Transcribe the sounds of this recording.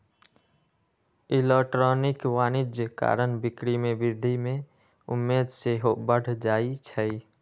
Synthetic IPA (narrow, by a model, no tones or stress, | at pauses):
ɪlekʈɾɔːnɪkʋaːnɪd͡ʒjəka̰ːɾənbɪkɾimẽbɪd̪ʱimẽ | ʊ̰mːeːd̪seɦobəɽ̤d͡ʒaːit͡ʃʰɛi